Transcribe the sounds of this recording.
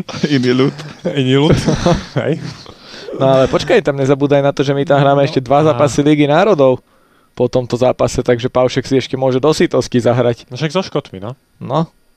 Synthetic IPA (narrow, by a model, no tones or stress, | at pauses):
ainilut̪iniluɦɛ̰j | nɔalɛpɔt͡ʃkajt̪amɲɛzabuːd̪ajnat̪ɔʒɛmit̪amɦɾaːmɛɛʃcɛd̪ʋazaːpasiliɡinaːɾɔd̪ɔʊ | pɔt̪ɔmt̪ɔzaːpasɛt̪aɡʒɛpaʊʃɛksiɛʃcɛmʊɔʒɛd̪ɔsit̪ɔscizaɦɾacʃaɡzɔʃkɔt̪minɔ | nɔ